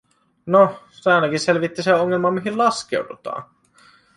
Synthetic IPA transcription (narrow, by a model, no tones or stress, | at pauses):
no | seæˑnækisselʋit̪ːiseoŋːelmɑmiɦillɑskḛudṵt̪ɑ̰ː